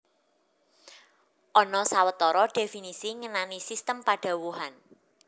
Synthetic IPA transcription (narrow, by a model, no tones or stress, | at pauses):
ʔɔnɔsawət̪ɔɾɔɖ̥e̤finisiŋənanisist̪əmpaɖ̥a̤wuɦan